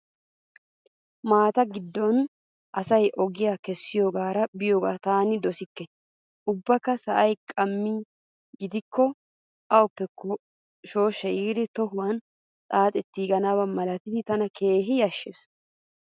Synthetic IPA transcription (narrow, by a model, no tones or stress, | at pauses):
maːt̪ɐɡɪd̪ːɔn | ʔɐsɐjʔɔɡɪjaːkɛsːɪjoːɡaːɾɐbɪjoːɡaːt̪aːnɪd̪ɔsɪkːɛ | ʔʊbːɐkːɐsɐʔɐjkʼɐmːi | ɡɪd̪ɪkːɔ | ʔɐɔpːɛkʰːɔ | ʃo̞ːʃːɐjiːd̪ɪt̪ɔɦʊwɐn | t͡sʼaːt̪ʼɛt̪ːiːɡɐnaːbɐmɐlɐt̪ɪd̪ɪt̪ɐnɐke̞ːɦɪjɐʃːes